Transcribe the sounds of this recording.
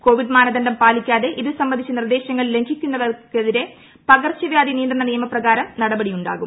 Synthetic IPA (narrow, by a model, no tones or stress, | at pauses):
ko̞ːʋiɖmaːnɐd̪ɐndɐmpaːlikʲːaːðe̞ʔiðɨsɐmbɐnd̪it͡ɕːɐnird̪e̞ːɕjɐŋːɐɭle̞ŋkʰikʲːunːɐðɐkeðiɾe̞ | pɐɣɐrt͡ɕːɐʋjaːd̪inijnd̪rɐɳɐnijɐmɐprɐɣaːɾɐmnɐɽɐbɐɽijuɳɖa̰ːɣum